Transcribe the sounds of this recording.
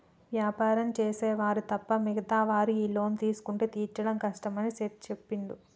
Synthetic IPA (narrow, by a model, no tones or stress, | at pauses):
ʋjaːpaːɾɐmt͡ʃeːseːʋaːɾit̪ɐpːɐmiɡɐt̪aːʋaːɾiiːlo̞ːnt̪iːsu̥kuɳʈeːt̪iːɾt͡ʃɐɽɐmkɐʂʈɐmɐniset̪t͡ʃepːiɳd̪u